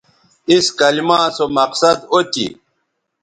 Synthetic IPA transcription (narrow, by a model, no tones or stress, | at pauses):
iskɐlimãːsomɐqsɐd̪ot̪ḭ